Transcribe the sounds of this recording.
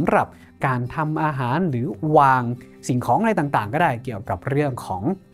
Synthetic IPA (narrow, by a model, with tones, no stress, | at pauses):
mɾa˨˩p̚ | kaː˧nt̪ʰa˧mʔaː˧ɦaː˩˦nɾɯː˩˦waː˧ŋ | si˨˩ŋkʰɔː˩˦ŋʔa˧a˧jt̪aː˨˩ŋt̪aː˨˩ŋkɔː˥˩daː˥˩jki˨˩əwka˨˩p̚ɾɯ˥˩əŋkʰɔː˩˦ŋ